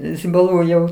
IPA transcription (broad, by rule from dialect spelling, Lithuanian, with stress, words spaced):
zʲɪbɐˈlˠuː jɛʊ